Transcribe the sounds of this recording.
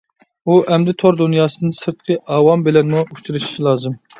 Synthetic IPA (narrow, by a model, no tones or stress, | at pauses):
uʔɛmd̪ɪt̪ʰoɾd̪unjɑːsɨnɨsɨɾt̪̚qʰəʔɑːwɑmbelɛnmuut͡ʃʰuɾɨʃi̥ʃilˠɑːzɨm